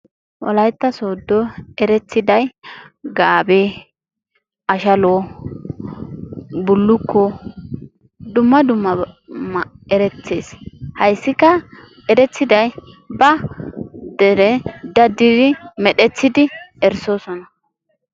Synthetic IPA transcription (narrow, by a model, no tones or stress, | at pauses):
wʔɐ̰lɐjt̪ːɐsoːd̪ːɔɛɾɛt͡sːɪd̪ɐjɡaːbe | ɐʃɐlo | bʊlːʊkːɔ | d̪ʊmːɐd̪ʊmːɐmɛɾɛt͡sːeːshɐjsːɪkːɐ | ɛɾɛt͡sːɪd̪ɐj | bɐ | d̪̥ɛɾɛd̪ɐd̪ːɪd̪ɪmɛɗɛt͡sːɪd̪ɪɛɾsoːsɔnɐ